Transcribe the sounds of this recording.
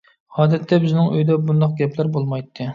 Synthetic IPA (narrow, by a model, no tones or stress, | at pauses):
hɑːd̪ɛt̪ʰːɛbɪznɪŋøjd̪ɛbund̪ɑq̚ɡʲɛplæɾbolˠmɑjt̪ʰːɨ